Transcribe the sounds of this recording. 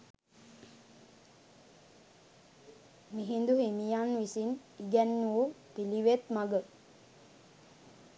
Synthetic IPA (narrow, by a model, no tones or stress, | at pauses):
miɦind̪uɦinijanʋisin | iɡɛnːuːpiliʋet̪maɡə